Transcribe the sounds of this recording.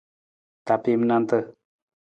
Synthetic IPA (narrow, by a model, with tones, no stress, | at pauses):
t̪a˨pimna˧nt̪ə